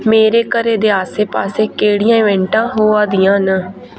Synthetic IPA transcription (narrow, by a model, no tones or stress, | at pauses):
meːɾeːkəɾeːd̪eːaːseːpaːseːkeːɽɪjãːiːʋɛ̃ːɳʈãːɦoːaːd̪ijãːnə